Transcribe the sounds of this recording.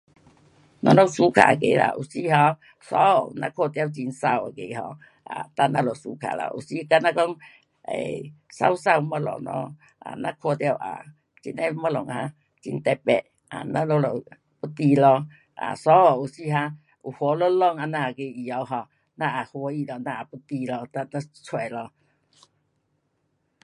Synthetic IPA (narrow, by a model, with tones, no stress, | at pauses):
nɔ̰˧lɔ˦ŋsu˦kʰa̰˨kḛ˧˦la̰˧˨ʔṵ˨˩si˧˦ɦɔ˧ | sɔ˧˦˨nã̰˧˦kʰo˧t̪ja˧wt͡ɕi˧nsa˧˩˨wa˨ke˧˨ɦɔ̰˧ | ʔa̰˨t̪a˧nã˧lɔ˨su˧˦kʰa̰˨la̰˧˨ʔṵ˨˩si˧˦˧ka˧nã˧kɔ˦ŋ | ḛ˨sa̰˧wsa˧˨wmɔ˧lɔ̰˨˩ŋlɔ̰˧˦ | a˨nã˧kʰo˧t̪ja˧wʔa̰˨ | t͡ɕḭ˧na˧˦mɔ˧lɔ˨ŋhã˧ | t͡ɕḭ˧nt̪ɛ˧pɛ˧˨ʔ | a̰˨˩nã˦lo˧lɔ˨ | pu˦t̪i˧lɔ˧ | ʔa̰˨sɔ˧˦ɔ˨u˨si˧˦ɦa˧ | u˨˩hwɔ˧˦lo˦lɔ˧˨ŋa˨˧nã˧a˨ke˧i˨˩a˧wɦɔ˧ | nã˧ʔa˨hwɔ˧˦i˧lɔ˧nã˧a˨pu˧˦t̪i˧lɔ˧t̪a˧na˧˦t͡sʰwa˧˩jlɔ˧